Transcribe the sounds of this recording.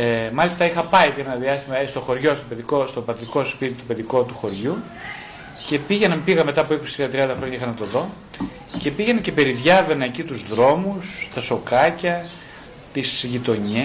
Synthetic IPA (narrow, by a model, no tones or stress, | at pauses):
emɐlist̪ɐixɐpɐit̪inenɐðiɐst̪imɐest̪o̞xo̞ɾʝo̞st̪opeðiko̞st̪o̞pɐt̪tiko̞spit̪it̪u̥pe̞ðiko̞t̪uxo̞ɾʝu | ce̞piʝe̞nɐmpiɣɐme̞t̪ɐpoipost̪ɾiðɐt̪ɾiɐnd̪ɐxɾo̞ɲɐixɐnɐt̪o̞ðo̞ | ce̞piʝe̞nece̞pe̞ɾiðʝɐve̞neːcit̪uzðɾo̞must̪ɐso̞kɐcɐ | t̪isʝit̪o̞ɲe